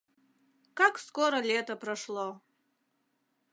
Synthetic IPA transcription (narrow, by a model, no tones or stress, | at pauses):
kakskoɾɐlʲet̪ɐprɐʂlˠo